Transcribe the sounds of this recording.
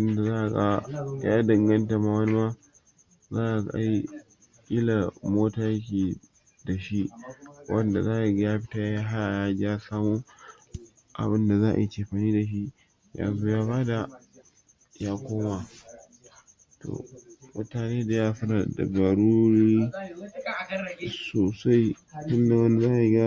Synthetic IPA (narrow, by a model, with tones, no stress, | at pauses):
ʔɪ˦nda˨zaː˦ʔa˨ɡa˦a˦dɐ˨ŋɡɐ˦nta˨ma˨wɐ˦ni˦ma˦ | zaː˦ʔa˨ɡʔa˦i˦ | kʲʼi˦la˨moː˦taː˨jɐ˦kʲeː˨ | da˨ʃi˦wʔɐ˦nda˨zaː˦ʔa˨ɡa˦jaː˦ɸɪ̥˦taː˦jaː˦ɦa˦ja˨jaː˦d͡ʒa˦saː˦moː˦ | ʔa̰˨bɪ˦nda˨zaː˦ʔa̰˨ja˦˨t͡ʃeː˨ɸa˨niː˦da˨ʃ̬i˦ | ja̰˨nzu˦jaː˦baː˦da˨ | jaː˦kʷoː˦ma˨ | tʰo̰ː˨mʊ˦taː˨neː˦da˨jaː˦ɸɐ˦ɾa˨da̰˨bɐ˨ɾu˦ɾiː˦ | soː˨sa˦jtʊ˦nda˨wɐ˦nda˨zaː˦ʔa˨ji˨˦ɡa˦